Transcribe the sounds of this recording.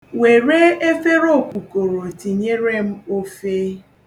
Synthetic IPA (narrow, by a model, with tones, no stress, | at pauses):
we˨ɾe˦e˦fe˦ɾo˦˨kʷu˨ko˨ɾo˨ti˨ɲe˦ɾe˦m̩˦o˦fe˦